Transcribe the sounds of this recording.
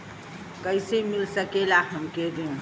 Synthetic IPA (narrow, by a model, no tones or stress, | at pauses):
kəɪsemilsəkelaɦəmked̪eũ